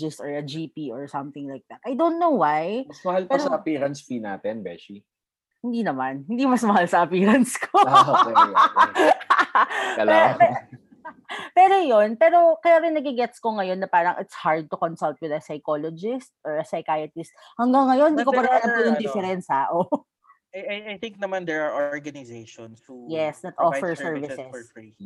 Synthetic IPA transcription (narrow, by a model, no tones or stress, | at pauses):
ɪst̪ɔɹɐd͡ʒipiʔɔɹsɐmθɪŋlajk̚d̪ɐt̪̚ʔajd̪ownt̪̚nowwajmɐsmɐhalpɛɐɾsɐɐpiːɾɐnspina̰ːt̪ɛnbɛ̰ʃi | hɪnd̪inɐmanhɪnd̪imɐsmɐɦalsɐʔɐpiːɾɐnskʰo | kɐlɛpɛ | pɛːɾojonpɛːɾo̞kɐjaːɾɪnɐɡiɡɛt̪skoŋɐjo̞nːɐpaːɾɐŋʔɪt̪shaɹd̪̚t̪ʊkonsɐlt̪̚wɪðɐsɐjkolod͡ʒɪst̪̚ɔɹɐsɐjkajɐt̪ɪst̪̚ | hɐŋɡaŋːɐjonhɪnd̪ikopɐd̪ɛɐlɐt̪ojʊŋd̪ɪfɛɾɛnsaːʔo | jajajt̪ɪ̃ŋk̚nɐmand̪ɛɹaɹʔoɹɡɐnɪzeʃɔnshujɛsnɐt̪ʔofɛɹsɛɹvɪsɛs